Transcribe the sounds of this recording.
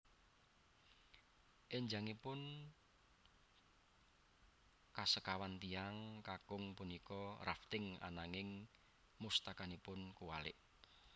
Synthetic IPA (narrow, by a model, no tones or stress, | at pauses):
ʔeɲd͡ʒaŋipʊn | kasəkawant̪iaŋkakʊŋpunikɔrʔa̰ft̪ɪŋa̰naŋɪŋ | must̪akanipʊnkuwalɪ̰ʔ